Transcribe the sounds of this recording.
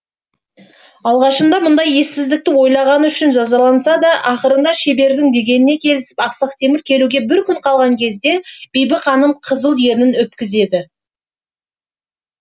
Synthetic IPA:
ɑlˠʁɑʃənd̪ɑmʊnd̪ɑje̞sɪzd̪ɪk̚t̪ɪwo̞jlˠɑʁɑnəʏʃɪnʒɑzɑlˠɑnsɑd̪ɑʔɑχəɾənd̪ɑʃe̞be̞ɾd̪ɪŋd̪e̞ɡʲe̞nɪne̞kʲʰe̞lɪsɪ̥pɑqsɑqt̪ʰe̞mɪɾkʲʰe̞luɡʲe̞bɪɾkʲʰʏɴqʰɑlˠʁɑŋkʲʰe̞zd̪e̞b̥ejbɪkχɑnːəɴqʰəzəlˠje̞ɾɪnɪnwɵt̪̚kʲɪze̞d̪ɪ

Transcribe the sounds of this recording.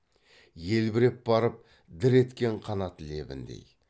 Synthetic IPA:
je̞lbɪɾep̚bɑɾəp̚ | d̪ɪɾe̞t̪kʲe̞ɴqʰɑnɑt̪le̞̰bɪ̰nd̪ḛj

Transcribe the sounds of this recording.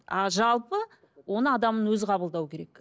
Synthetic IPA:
ɑʒɑlˠpə | wo̞nəɑd̪ɑmənwɵzqʰɑbəlˠd̪ɑwkʲʰe̞ɾe̞k

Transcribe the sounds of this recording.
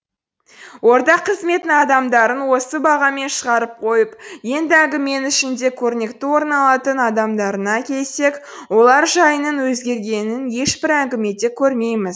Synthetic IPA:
wo̞ɾt̪ɑqʰːəzme̞t̪ɪnɑd̪ɑmd̪ɑɾənwo̞səbɑʁɑme̞nʃəʁɑɾəp̚qʰo̞jəpje̞nd̪ɪæŋɡʲɪme̞nɪʃɪnd̪e̞kʲʰɵɾne̞kt̪ɪwo̞ɾnɑlˠɑt̪ənɑd̪ɑmd̪ɑɾənɑkʲʰe̞lse̞k | wo̞lˠɑɾʒɑjənənwɵzɡʲe̞ɾɡʲe̞nɪnje̞ʃbɪɾæŋɡʲɪme̞d̪ekʲʰɵɾme̞jmɪz

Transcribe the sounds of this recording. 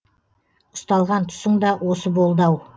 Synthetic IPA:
ʊst̪ɑlˠʁɑnt̪ʰʊ̥səɴd̪ɑwʔo̞səbo̞lˠd̪ɑw

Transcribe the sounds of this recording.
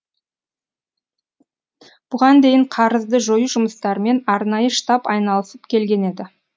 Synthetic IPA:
b̥ʊʁɑnd̪e̞jɪɴqʰɑɾəzd̪əʒojuʒʊməst̪ɑɾəme̞nɑɾnɑjəʃt̪ɑpɑjnɑlˠəsəpkʲʰe̞lɡʲe̞ne̞d̪ɪ

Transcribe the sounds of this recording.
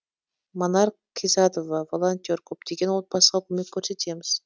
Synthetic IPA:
monɑɾ | kʲʰizɑd̪ovɑvolˠont̪ʲio̞ɾkʲʰɵp̚d̪̥e̞ɡʲe̞nwo̞t̪̚bɑsəʁɑkʲʰɵme̞kʲʰːɵɾse̞t̪ʰe̞mɪz̥

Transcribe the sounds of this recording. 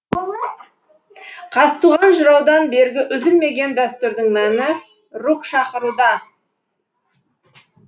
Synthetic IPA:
qʰɑst̪uʁɑnʒʊɾɑwd̪ɑnbe̞ɾɡʲɪʔʏzɪlme̞ɡʲe̞nd̪æst̪ʊɾd̪ɪŋnænɪ | ɾuqʃɑqəɾud̪ɑ

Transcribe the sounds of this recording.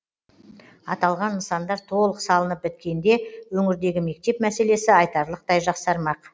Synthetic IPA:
ɑt̪ɑlˠʁɑnːəsɑnd̪ɑɾt̪ʰo̞lˠəqsɑlˠənəp̚bɪt̪̚kʲe̞nd̪e̞wɵŋɪɾd̪e̞ɡʲɪme̞k̚t̪e̞pmæse̞le̞sɪɑjt̪ɑɾlˠəqt̪ɑjʒɑqsɑɾmɑq

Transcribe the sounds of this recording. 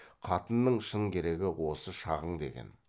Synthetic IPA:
qʰɑt̪ənːəɴʃəɴkʲʰe̞ɾe̞ɡʲɪwo̞səʃɑʁəɴd̪e̞̰ɡʲe̞̰n

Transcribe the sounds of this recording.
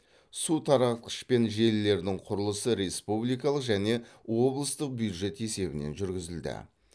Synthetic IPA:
sut̪ʰɑɾɑt̪̚ə̥ʃpe̞nʒe̞lːe̞ɾd̪ɪŋqʰʊɾəlˠəsəɾe̞spublijkɑlˠəqʒæne̞wo̞blˠəst̪əq̚bjud̪ʒe̞t̪e̞se̞bɪne̞̰nʒʏɾɡʲɪzɪld̪ɪ̰

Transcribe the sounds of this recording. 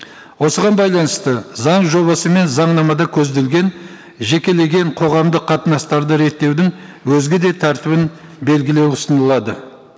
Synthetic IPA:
wo̞səʁɑnbɑjlˠɑnəst̪əzɑɴʒo̞βɑsəme̞nzɑɴnɑmɑd̪ɑkʲʰɵzd̪e̞lɡʲe̞n | ʒe̞kʲe̞le̞ɡʲe̞ɴqʰo̞ʁɑmd̪əqʰɑt̪ənɑst̪ɑɾd̪əɾe̞t̪ːe̞wd̪ɪŋ | wɵzɡʲɪd̪e̞t̪ʰæɾt̪ɪβɪn | be̞lɡʲɪle̞wʊsənəlˠɑd̪ə

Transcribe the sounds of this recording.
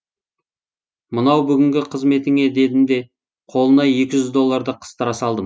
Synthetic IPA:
mənɑwbʏɡʲɪŋɡʲɪqʰəzme̞t̪ɪŋe̞d̪e̞d̪ɪmd̪e̞ | qʰo̞lˠənɑje̞kʲɪʒʏzd̪o̞lˠːaɾd̪əqʰə̥st̪əɾɑsɑlˠd̪əm

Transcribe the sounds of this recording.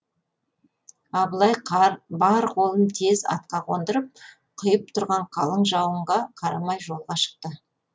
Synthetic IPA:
ɑbəlˠɑjqʰɾbɑɾqʰo̞lˠənt̪ʰe̞zɑ̰t̪̚qɑqʰond̪əɾəp̚ | qʰʊjəp̚t̪ʰʊɾʁɑɴqʰɑlˠəɴʒɑwəɴʁɑqʰɑɾɑmɑjʒo̞lˠʁɑʃə̥q̚t̪ə

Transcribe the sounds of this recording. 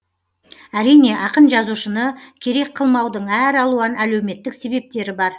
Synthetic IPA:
æɾijne̞ʔɑqənʒɑzuʃənəkʲʰe̞ɾe̞k̚qʰəlˠmɑwd̪əɴæɾɑlˠuɑnælewme̞t̪ːɪkse̞be̞p̚t̪e̞ɾɪbɑɾ

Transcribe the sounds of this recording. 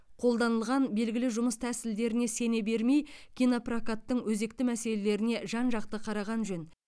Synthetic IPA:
qʰo̞lˠd̪ɑnəlˠʁɑnbe̞lɡʲɪlɪʒʊməst̪ʰæsɪld̪e̞ɾɪne̞se̞ne̞be̞ɾme̞jkʲinoprakat̪ːəɴwɵze̞kt̪ɪmæse̞le̞le̞ɾɪne̞ʒɑnʒɑq̚t̪əqʰɑɾɑʁɑnʒɵn

